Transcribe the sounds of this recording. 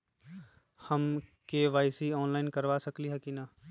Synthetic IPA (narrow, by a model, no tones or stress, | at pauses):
hɐmkeʋaːɪsiɔːnlaːɪnkɐɾʋasɐkliɦɛkinaː